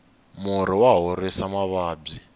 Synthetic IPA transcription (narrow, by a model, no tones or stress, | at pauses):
muɾiwaɦoresamaβaːbi